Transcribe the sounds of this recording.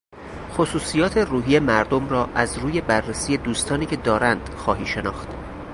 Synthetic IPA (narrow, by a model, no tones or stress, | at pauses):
xosuːsijɒːt̪ʰe̞ruːɦiːje̞mæɾd̪omrɒːʔæzɾuːje̞bærːesiːje̞d̪uːst̪ɒːniːcʰe̞d̪ɒːɾænd̪̥xɒːɦiːʃe̞nɒːxt̪